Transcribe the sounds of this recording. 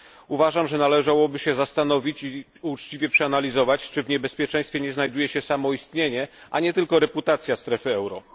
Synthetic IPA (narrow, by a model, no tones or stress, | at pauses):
uvaʐamʐɛnalɛʐawɔbɘɕɛzast̪anɔvʲit͡ɕi | ut͡ʂt͡ɕivʲjɛpʂɛanalʲizɔvat͡ɕt͡ʂɘvɲɛbɛspʲjɛt͡ʂɛ̃j̃st̪fʲjɛɲɛznajd̪ujɛɕɛsamɔist̪ɲeɲɛʔa̰ɲɛt̪ɘlkɔɾɛput̪at̪sʲjast̪ɾɛfɘɛwɾɔ̰